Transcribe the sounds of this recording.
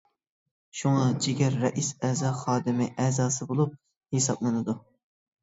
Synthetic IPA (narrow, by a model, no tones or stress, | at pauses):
ʃuŋɑd͡ʒiɡʲɛɾːɛʔisɛzɑχɑːd̪ɪmɪʔɛːzɑːsɨbolˠup̚ | hesɑ̰blˠɨnɨd̪u